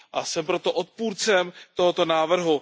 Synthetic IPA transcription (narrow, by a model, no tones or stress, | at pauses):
ʔasɛmpɾo̞t̪o̞ʔot̪̚puːɾt͡sɛmt̪o̞ɦot̪o̞naːvr̩ɦu